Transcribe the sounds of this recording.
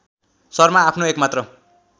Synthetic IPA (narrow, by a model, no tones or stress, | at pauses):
sʌrmaːpʰnoekmat̪rʌ